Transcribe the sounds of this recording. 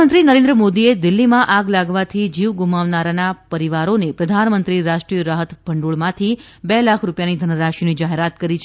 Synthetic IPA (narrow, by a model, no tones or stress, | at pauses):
ənt̪ɾinəɾẽnd̪ɾəmod̪ied̪ɪlːimãʔaɡlaɡʋat̪ʰid͡ʒiʋɡumaʋnaɾanapəɾiʋaɾonepɾəd̪ʱanmənt̪ɾiɾaʃʈɾijəɾaɦət̪bʱəɳɖuɭmãt̪ʰi | bɛlakʰɾupjanid̪ʱənəɾaʃonid͡ʒaɦeɾat̪kəɾit͡ʃʰ